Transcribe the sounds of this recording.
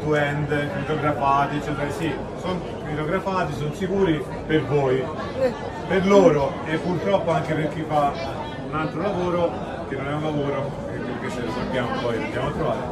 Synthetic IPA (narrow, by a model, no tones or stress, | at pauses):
t̪uɛnd̪fot̪oɡɾafaːt̪iet͡ʃːɛt̪eɾasi | son | fot̪oɡɾafaːt̪isonsikuːɾi | pervoːj | perloːɾo | epːurt̪ɾɔpːoaŋkeperkifːa | unalt̪ɾolavoːɾo | k̟enːonɛunlavoːɾo | kepːelket͡ʃːelosabːjaːmopɔjlod̪jaːmoat̪ːɾovaːɾe